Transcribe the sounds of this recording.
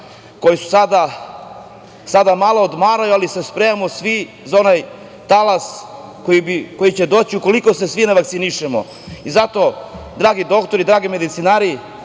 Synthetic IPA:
ko̞jisu̥sad̪a | sad̪amalaod̪maːɾajualisespɾeamosʋi | zao̞naj | t̪alas | kojibiko̞jit͡ɕed̪oːt͡ɕiuko̞liko̞se̞sʋineʋakt̪siniʃemo̰ | izat̪o̞d̪ɾaːɡid̪o̞kt̪oɾid̪ɾaːɡime̞d̪it̪sinaɾi

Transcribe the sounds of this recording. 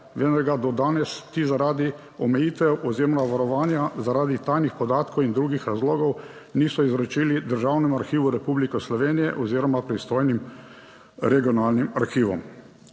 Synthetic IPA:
ʋend̪əɾɡad̪ɔd̪aːnɛst̪izaɾaːd̪i | ɔmɛjiːt̪ʋɛwʔɔziːɾɔmaʋaɾɔʋaːnjazaɾaːd̪it̪ajnixpɔd̪aːt̪kʰɔwind̪ɾuːɡixɾazloːɡɔw | niːsɔizɾɔt͡ʃiːlid̪əɾʒaːwnɛmaɾxiːʋuɾɛpublikɔslɔʋeːnijɛʔɔziɾɔmapɾist̪oːjnim | ɾɛɡijɔnaːlnimaɾxiːʋɔ̰m

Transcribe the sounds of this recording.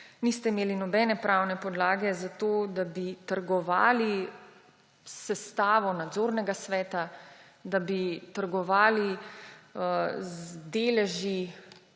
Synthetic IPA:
nist̪ɛimeːlinɔbɛːnɛpɾawnɛpɔd̪laːɡɛzat̪oːd̪abit̪əɾɡɔʋa̰ːli | sɛst̪aːʋɔnad̪zoːɾnɛɡasʋɛːt̪a | d̪abit̪əɾɡɔʋaːli | zd̪eːlɛʒi

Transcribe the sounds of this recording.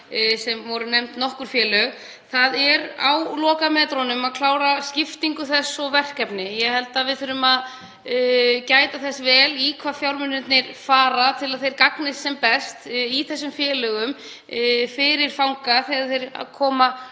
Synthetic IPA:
sɛmvɔwɾʏnɛmt̪nɔhkʏɾ̥fjɛːlœɣ | θaðɛɾawlɔːkamɛːt̪ɾɔnʏmaðkʰlaːwɾascɪft̪iŋkʏθɛsːɔvɛr̥kɛpnɪjɛhɛlt̪avɪðθʏɾʏmað | caːjt̪aθɛsːvɛːlikʰvafjawɾmʏnɪt̪nɪɾ̥faːɾat̪ʰɪlaðθejɾ̥kaknɪst̪sɛmpɛst̪iθɛsːʏmfjɛːlœɣʏm | fɪɾɪɾ̥fawŋkaθiaðθejɾa̰ðkʰɔːma

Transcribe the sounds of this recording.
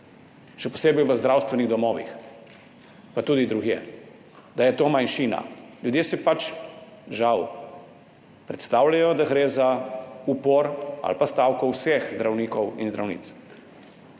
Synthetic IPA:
ʃɛpɔ̥seːbɛjʋəzd̪ɾawst̪ʋɛniɣd̪ɔmɔːʋḭx | pat̪uːd̪id̪ɾuɡjḛ | d̪ajɛt̪oːmajnʃiːna̰lʲjud̪jeːsɛpat͡ʃ | ʒaw | pɾɛt̪st̪aːwlajɔd̪aɡɾeːzaupɔːɾa̰lpast̪aːwkɔwsɛxzd̪ɾawniːkɔwinzd̪ɾawnḭːt̪s

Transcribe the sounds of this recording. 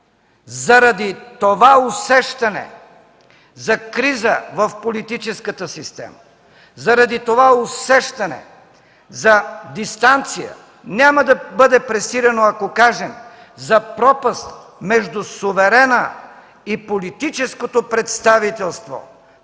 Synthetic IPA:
zɐɾɐd̪it̪ovaʊsɛʃt̪ɐnɛ̰ | zɐkɾizəvɐfpolit̪it͡ʃɛskət̪əsist̪ɛ̰mə | zɐɾɐd̪it̪ovaʊsɛʃt̪ɐnɛ̰ | zɐd̪ist̪ant̪sijə̰ | nʲaməd̪ɐbɤd̪ɛpɾɛsiɾɐnoɐkokaʒɛm | zɐpɾɔpəst̪ | mɛʒd̪usʊvɛɾɛnə | ipolit̪it͡ʃɛskot̪opɾɛt̪st̪avit̪ɛlˠst̪vo̰

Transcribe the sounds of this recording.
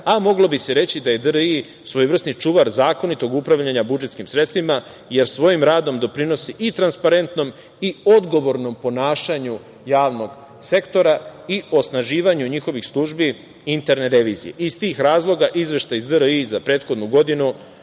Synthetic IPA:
amo̞ɡlo̞bise̞ɾe̞t͡ɕid̪aje̞d̪əɾi | sʋo̞jr̩snit͡ʃuʋaɾzaːko̞nit̪o̞ɡupɾaʋʎaɲabud͡ʒet̪kimsɾet̪st̪ʋima | je̞ɾsʋo̞jimɾaːd̪o̞md̪o̞pɾino̞siʔit̪ɾanspaɾe̞nt̪no̞m | io̞d̪ɡo̞ʋo̞ɾno̞mpo̞naːʃaɲu | jaːʋno̞ɡ | se̞kt̪o̞ɾaio̞snaʒiːʋaɲuɲixo̞ʋixslˠuʒbi | int̪eɾneɾe̞ʋiːzijeʔist̪iːxɾaːzlˠo̞ɡaʔizʋe̞ʃt̪ajizd̪əɾəizapɾe̞ːt̪xo̞d̪nuɡo̞d̪inu

